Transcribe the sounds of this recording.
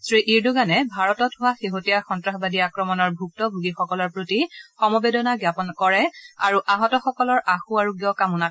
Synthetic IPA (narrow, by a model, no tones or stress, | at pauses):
sɹiʔiɹduɡanɛbʱaɹɔtɔtɦʊwaxeɦotijaxɔntɹaxbadiakɹɔmɔnɔɹbʱuk̚tɔbʱuɡixɔkɔlɔɹpɹotixɔmɔbedɔnaɡjapɔnkɔɹɛaɹuʔaɦɔtɔxɔkɔlɔɹaxuaɹuɡijɔkamuna